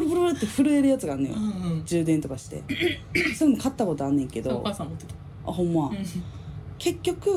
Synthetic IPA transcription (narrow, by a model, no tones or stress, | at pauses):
pɾopɯ̟ɾobɯɾet̪ːeɸɯ̟ɾɯ̟e̞ɾɯ̟jat͡sɨɡaːnːẽjo̰d͡ʑɨːd̪ent̪o̞kaɕi̥t̪e̞̰soɾemokʰat̪ːako̞t̪o̞anːẽ̞ŋke̞d̪o̞̰ | a̰ɦõ̞mːa | ke̞kʲːo̞kɯ̟